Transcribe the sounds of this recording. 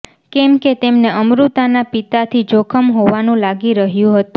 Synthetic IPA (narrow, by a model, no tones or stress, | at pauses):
kɛmket̪emneʔəmɾut̪anapit̪at̪ʰid͡ʒokʰəmɦoʋanũlaɡiɾəɦjũɦət̪ũ